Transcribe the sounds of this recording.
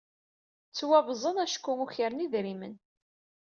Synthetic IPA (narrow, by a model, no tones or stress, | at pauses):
t͡sːwævzˤənæʃkːʊŋuçəɾniðɾimə̰n